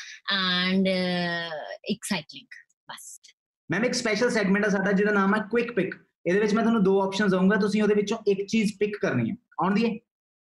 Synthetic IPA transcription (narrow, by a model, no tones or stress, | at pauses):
ɛɳɖ | ɪksaɪʈɪ̃ŋɡ | bəs | mɛ̃ːɪkspɛːʃəlsɛːɡmɛ̃ɳʈas̬aːd̪aːd͡ʒɪːɽaːnaːmɛːkwɪkpɪk | eːd̪eːʋɪt͡ʃmɛ̃ːt̪ʊɦːnːũːd̪oːɔːpʃənzaũːŋɡaːt̪̬ʊsĩːoːd̪eːʋɪt͡ʃõːɪkt͡ʃiːzpɪkːəɾnḭːɛ̰̃ː | ɔːʊɳd̪iːɛː